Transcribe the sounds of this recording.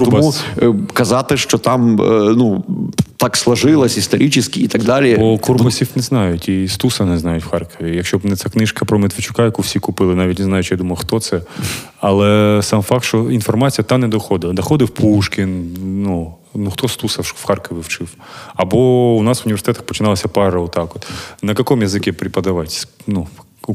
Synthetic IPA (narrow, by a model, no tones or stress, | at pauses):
tɔbmukɐzɑt̪ɪʃt͡ʃɔt̪ɑmnut̪ɑkslˠɐʒɪlˠɐsʲist̪ɔɾʲʔit͡ʃɪsʲkʲiit̪ɐɡd̪ɑlʲibɔkurpɐsʲiwnɛznɑjʊtʲist̪usɐnɛznɑjʊtʲwxɑrkɔʋʲijɐkʃt͡ʃɔbnɛt̪sʲɛknɪʃkɐpɾɔmɪt̪ʋɪt͡ʃʊ̥kɑjɐkuwsʲikʊpɪlˠɪnɑʋʲitʲneznɑjʊt͡ʃjad̪umɐjˠʊxt̪ɔt̪sɛ | ɐlˠɛsɑmfɑk̚t̪ʃt͡ʃɔinfɔrmɑt͡sʲijɐt̪ɑnɛd̪ɔxɔd̪ɪlˠɐd̪ɐxɔd̪ɪwpuʃkʲɪnnu | nuxt̪ɔst̪usɐwxɑrkɔʋʲiwt͡ʃɪw | ɐbɔʊnɑsʋʊnʲiʋʲersɪt̪ɛt̪ɐxpɔt͡ʃɪnɑlˠɐsʲɐpɑɾɐɔt̪ɑkɔt̪nɐkɐkɔmjɐzɪkʲɛpɾʲɪpɐd̪ɐʋɑtʲsnu